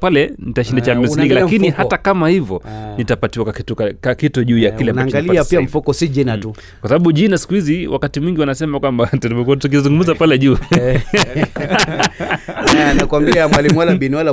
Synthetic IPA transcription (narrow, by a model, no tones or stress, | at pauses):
palɛnitaʃindat͡ʃamisikalakinihatakamahivɔnitapatiwakaitukakakituʄuːjakilɛamnaŋɡaliapiam̩fukɔsiʄinatu | kwasaɓaɓuʄinasi̥kuhiziwʔa̰katimwiŋɡiwanasɛmakwambatulivɔk̬uatuk̬izuŋɡumuzapalɛʄu | nakwambiamwalimuwalaɓiniwala